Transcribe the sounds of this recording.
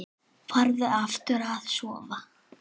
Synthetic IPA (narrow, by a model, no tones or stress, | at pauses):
faɾðɪaft̪ʏɾað̥sɔːva